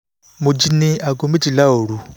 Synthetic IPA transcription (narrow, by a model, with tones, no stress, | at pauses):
mu˨d͡ʒi˦˨ni˦a˨ɡo˨mi˦d͡ʒi˨la˦oː˨ɺu˨